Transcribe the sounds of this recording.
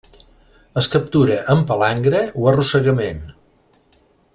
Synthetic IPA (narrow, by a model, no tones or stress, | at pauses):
əskəp̚t̪uɾəʔəmpəlaŋɡɾəuərusəɣəmen